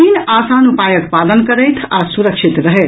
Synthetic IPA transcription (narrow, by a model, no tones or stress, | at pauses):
inasanupajəkpad̪ənkəɾəjt̪ʰasuɾəkʃʰit̪ɾəɦɛt̪